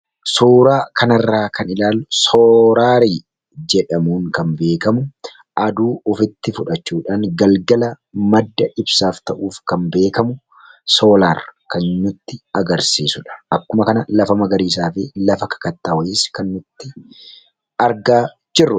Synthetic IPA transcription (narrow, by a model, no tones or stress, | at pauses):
suːɾaːkʰɐnɐrːaːkʰɐnɪlaːlːʊsoːɾaːɾiː | d͡ʒɛᶑɐmuːŋkɐnbe̞ːkɐmʊ | ɐd̪uːʊfɪt̪ːɪfʊᶑɐt͡ʃːuːᶑaːŋɡɐlɡɐlɐ | mɐd̪ːɐʔɪbsaːft̪ɐʔuːfkɐnbe̞ːkɐmʊ | so̞ːlaːrkɐnnʊt̪ːɪɐɡɐɾsiːsʊᶑɐ̥ʔɐbkːʊmɐkɐnɐlɐfɐmɐɡɐɾiːs̬aːfɪlɐfɐkɐ̥kɐt̪ːaːwɐjɪːskɐnːʊt̪ːɪ | ɐɾɡaː | d͡ʒɪrːʊ